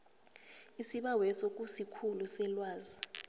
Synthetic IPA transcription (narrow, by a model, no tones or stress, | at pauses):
isiɓawɛsok̬ʼusikʰulusɛlwaːzi